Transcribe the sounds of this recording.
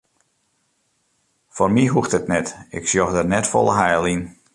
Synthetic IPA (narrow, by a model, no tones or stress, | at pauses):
formiɦuxtətnɛtɪksjɔxdərnɛtfɔ̰lˠəɦɛjlˠin